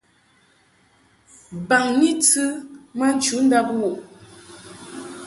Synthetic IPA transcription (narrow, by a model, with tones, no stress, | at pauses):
ba˨ŋni˦tɨ˦ma˦n̩˦t͡ʃu˨˦n̩˦da˦pwo˨ʔ